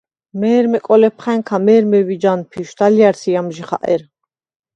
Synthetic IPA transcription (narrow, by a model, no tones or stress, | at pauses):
mɛːɾmɛkʼɔlɛpʰχɛŋkʰamɛːɾmɛwid͡ʒanpʰiʃd̪alijaɾsʰijamʒiχaʔɛɾ